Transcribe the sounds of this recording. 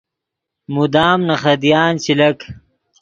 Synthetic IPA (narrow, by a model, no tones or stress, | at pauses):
mud̪aːmnɐχɐd̪jaːnt͡ɕilɐk